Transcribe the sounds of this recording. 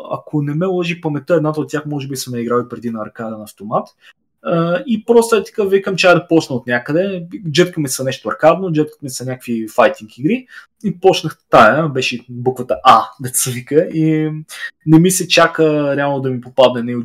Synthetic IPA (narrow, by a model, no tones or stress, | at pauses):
ɐ̰kʰonɛmɛlˠɔʒixpɐmɛt̪əɛd̪nat̪əot̪̚tʲjaxmɔʒɛbisɐmɐiɡɾalipɾɛd̪inɐːɾkad̪ənɐːft̪omat̪ | əipɾɔst̪oɛt̪i̥kəvikəmt͡ʃɛad̪ɐpɔt͡ʃnəot̪nʲjakəd̪ɛd͡ʒət̪kəmɛsɐnɛʃt̪oɐɾkad̪nod͡ʒət̪̚kə̥t̪mɛsɐnʲakəkvifajt̪iŋkiɡɾi | ipɔt͡ʃnəxt̪ajəbɛʃɛbukvət̪əʔad̪ɐt̪svikəi | nɛmisɛt͡ʃakəɾɛalˠnod̪ɐmipopad̪nɛnɛi